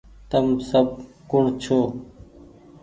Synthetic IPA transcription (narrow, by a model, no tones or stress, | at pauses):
t̪əmsəb̚ | kʊɳt͡ʃʰoː